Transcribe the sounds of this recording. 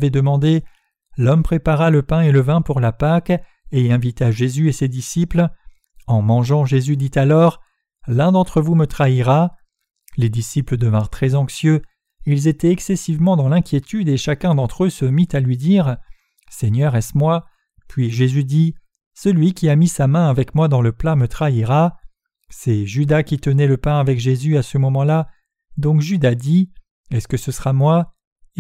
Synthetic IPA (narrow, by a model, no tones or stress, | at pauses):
vɛd̪əmɑ̃d̪e | lɔmpχepaʁaləpɛ̃eləvɛ̃puʁlapak | eɛ̃vit̪aʒezyesed̪isipl | ɑ̃mɑ̃ʒɑ̃ʒezyd̪it̪alɔʁ | lɛ̃d̪ɑ̃t̪χəvumət̪χaiʁa | led̪isipləd̪əvɛ̃ʁt̪χɛzɑ̃ksjø | ilzet̪ɛɛksɛsivmɑ̃d̪ɑ̃lɛ̃kʲjet̪yd̪eʃakʲɛ̃d̪ɑ̃t̪χøsəmit̪alɥid̪iʁ | sɛɲœʁɛsmwa | pɥiʒezyd̪i | səlɥikʲiamisamɛ̃avɛkmwad̪ɑ̃ləplamət̪χaiʁa | sɛʒyd̪akʲit̪ənɛləpɛ̃avɛkʒezyasəmɔmɑ̃la | d̪ɔ̃kʒyd̪ad̪i | ɛskəsəsəʁamwa